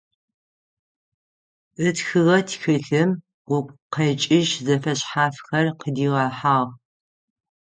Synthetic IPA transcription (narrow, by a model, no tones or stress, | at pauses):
ɨtxɨʁɐtʰxɨɬɨm | wʊpʷʼqɐt͡ʃʼɪʒzɐfɐɕħaːfxɐrqədiːʁɑːħaːʁ